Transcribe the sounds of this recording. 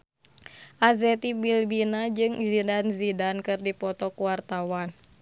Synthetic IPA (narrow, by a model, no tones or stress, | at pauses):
ʔazɛt̪ibilbinad͡ʒɨŋzidanzidankɨrdipɔt̪ɔkuwart̪awan